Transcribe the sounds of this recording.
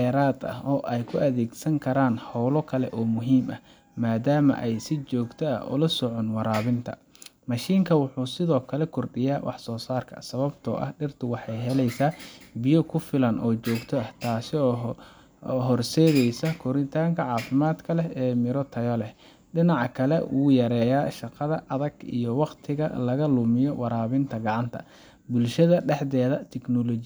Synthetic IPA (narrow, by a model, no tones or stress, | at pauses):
ɛːɾaːd̪ɐ̰ɦɔːʔɛjkʰʊʔɐðɛːɡsɐŋkʰɐɾaːnhɔwlɔkʰɐlɛʔɔːmʊɦiːmɐ | maːd̪aːmɐ̰ʔɛjsɪt͡ʃɔːɡt̪ʰɔɐ̰ʔɔ̰lɐsɔʕɔnwɑɾaːβɪnt̪ʰɐ̰ | mɐʃiːŋkʰɐwʊħuːsɪðɔːkʰɐlɛkʰʊrɖɪjaːwʔɑ̰ħsɔːsaːrkʰɐ̰sɐβɐbt̪ʰɔ̰ʔɐ̰hɖɪrt̪ʰʊwɑħɑjɦɛlɛjsaːbɪjɔkʰʊfɪlɐnʔɔːt͡ʃɔːɡt̪ʰɔɐht̪ʰaːsɪɔː | ɦɔrsɛːðɛjsɐkʰɔɾɪnt̪ʰaːŋkʰɐʕɑːfɪmaːd̪kʰɐlɛɛːmɪɾɔt̪ʰɐjɔlɛ | ɖɪnɑʕɑkʰɐlɛʔuːjɐɾɛːjaːʃɑqɑðɐʔɐðɐɡḭjɔwɑqt̪ʰɪɣɐ̰lɐɣɐlʊmɪjɔwɑɾaːβɪnt̪ʰɐɡɑʕɑnt̪ʰɐ̰ | bʊlʃɐðɐɖɛħdɛːðɐt̪ʰɛknɔlɔt͡ʃ